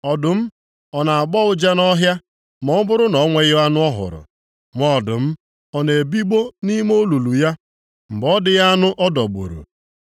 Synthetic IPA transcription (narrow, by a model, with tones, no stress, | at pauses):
ɔ˨dʊ˨m̩˦ | ɔ˨na˨a˨ɡ͡bɔ˦ʊ˦d͡ʒa˦nɔ˦ɦja˦ | mɔ˨˦bʊ˦ɾʊ˦nɔ˨˦ŋʷe˦ɣɪ˦a˦nʊ˦ɔ˦ɦʊ̰˨ɾʊ̰˨ | ŋʷɔ˨dʊ̰˨m̩˦ | ɔ˨ne˨e˨bi˦ɡ͡bo˦ni˦m˦o˦lu˨lu˨ja˦ | m̩˨ɡ͡bɔ˦dɪ˦ja˦a˦nʊ˦ʔɔ˦dɔ˨ɡ͡bo̰˨ɾṵ˨